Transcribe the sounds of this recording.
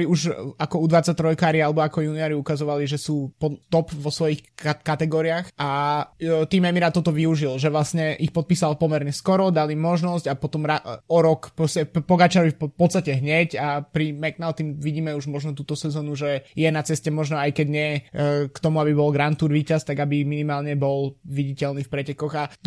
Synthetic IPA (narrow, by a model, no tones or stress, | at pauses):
ɾiuʒakɔud̪ʋat͡sac̚t̪ɾɔjkaːɾialɛbɔakɔjuniɔɾiukazɔʋaliʒɛsuːpɔt̪ɔpʋɔsʋɔjixkat̪ɛɡɔːɾiaxʔa | t̪iːmɛmiɾat̪ɔt̪ɔʋiuʒilʒɛʋlasɲɛʔixpɔt̪̚piːsalpɔmɛɾɲɛskɔɾɔd̪alimɔʒnɔscɟapɔt̪ɔmɾaɔɾɔkpɾɔscɛpɔɡat͡ʃaɾʋifppɔt̪st̪acɛɦɲɛcapɾimɛɡnaʊt̪imʋiɟiːmɛuʒmɔʒnɔt̪uːt̪ɔsɛzɔːnuʒɛjɛnat͡sɛscɛmɔʒnɔajkɛɟɲɪɛkt̪ɔmuabibɔlɡɾant̪uːɾʋiːcast̪aɡabiminimaːlɲɛbɔlʋiɟicɛlniːfpɾɛcɛkɔɣa